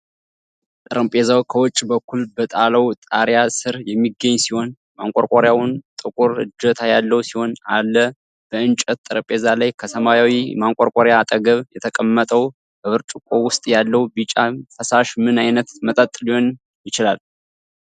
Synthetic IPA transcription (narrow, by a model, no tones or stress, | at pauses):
t̪ʼɨɾəmpʼezawkʰəwɔt͡ʃʼːbəkːulbət̪ʼaləwt̪ʼaɾjasɨɾjɛmːiɡːəɲːsiho̞n | maŋkʼoɾkʼoɾjawnt̪ʼɨkʼuɾɨ̰d͡ʒːət̪ʰajalːəwusiho̞nalːə | b̥əɨnt͡ʃʼət̪t̪ʼːɨɾəmpʼezalajkʰəsəmajawimaŋkʼoɾkʷʼoɾjaːt̪ʼəɡəβjɛt̪ʰəkʼəmːət̪ʼəw | bəβɨɾt͡ʃʼukʼowʊst̪ʼjalːəwbit͡ʃʼafəsaʃmɨnajnət̪mət̪ʼət̪ʼːliho̞n | jɪt͡ʃɪlal